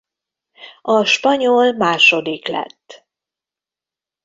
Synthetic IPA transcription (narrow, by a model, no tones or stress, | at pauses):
ɒʃpɒɲolmaːʃo̞d̪iklɛ̰t̪ː